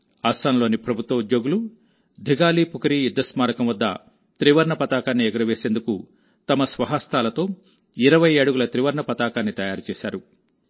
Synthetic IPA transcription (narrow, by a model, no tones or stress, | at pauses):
aːsaːnlo̞ːnipɾɐbʱut̪ʋɐud̪jo̞ːɡulu | d̪ʱiɡaːliːpukɐɾijid̪ːɐsmaːɾɐkɐmʋɐd̪ːɐ̰ | t̪ɾiʋɐɾɳɐpɐt̪aːkaːnːiɛɡɐɾɐʋeːse̞ːnd̪uku | t̪ɐmɐsʋɐɦast̪aːlɐt̪o̞ː | iɾɐʋɐjeɽuɡulɐt̪ɾiʋɐɾɳɐpɐt̪aːkaːnːit̪ɐjaːɾut͡ʃɛːsa̰ːɾu